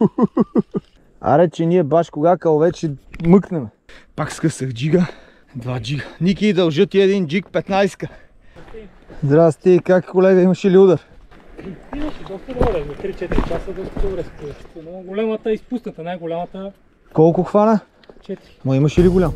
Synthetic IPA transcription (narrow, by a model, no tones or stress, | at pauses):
a̰ɾɛt͡ʃɛniɛbaʃkoɡakavɛt͡ʃɛmɨknɛmɛ | pakskəsəxd͡ʒiɡə | d̪vad͡ʒiɡənikʲiːd̪ɐlˠʒət̪iɛd̪ind͡ʒik̚pɛt̪najskə | zd̪ɾast̪ikakkolɛɡəimɐʃiliud̪əɾ | imɐʃɛd̪ɔst̪əɡoɾɛmit̪ɾit͡ʃɛt̪iɾit͡ʃasəd̪ɔst̪əd̪obɾɛst̪ɛɛnoɡolʲɛmət̪əispusnət̪ənajɡʊlʲamət̪ə | kɔlˠkʊxvanə | t͡ʃɛt̪iɾinoimɐʃiliɡʊlʲam